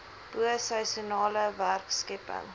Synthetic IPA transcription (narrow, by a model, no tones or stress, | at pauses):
b̥uəsɛjsunɑːləværkskɛpə̰ŋ